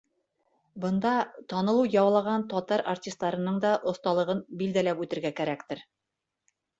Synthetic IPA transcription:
bɤ̆nd̪ɑt̪ɒnɤ̆lˠujɑwlˠɑʁɑnt̪ɒt̪ɑɾartʲist̪ːɑɾɤ̆nɤɴd̪ɑʔŏst̪ɑlˠɤ̆ʁɤnbild̪ælæpʉt̪ɘ̆ɾɡækæɾækt̪ɘɾ

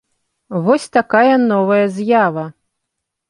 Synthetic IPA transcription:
vɔsʲt̪akajɐnɔvɐjɐzʲjavɐ

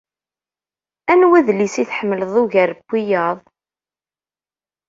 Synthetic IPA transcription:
ænwæðlisiθħəmːələðˤʊʝæɾəbːijɑðˤ

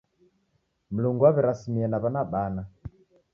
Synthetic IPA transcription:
m̩luŋɡuaβɛɾasimiɛnaβanaɓana

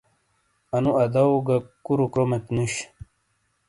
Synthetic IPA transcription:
ɐnuʔɐd̪awɡakuɾukɾomet̪nuɕ

